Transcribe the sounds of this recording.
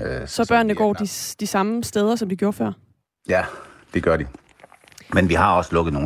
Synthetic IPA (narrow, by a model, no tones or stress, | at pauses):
sɒ̽b̥ɶɐ̰nːəɡ̥ɒ̰ːd̥id̥isɑ̈məsd̥eːð̞ˠɐsɒ̽mdiɡ̥jo̝ːɐfɶɐ̰ | jæd̥e̝ɡ̥ɶɐɾi | menʋihɑ̈ɒ̽səlɔ̽ɡ̥ð̩ˠno̝ː